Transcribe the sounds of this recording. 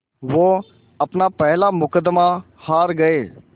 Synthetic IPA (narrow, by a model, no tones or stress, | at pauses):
ʋoː | əpnaːpɛɦlaːmʊkəd̪ma | haːɾɡəeː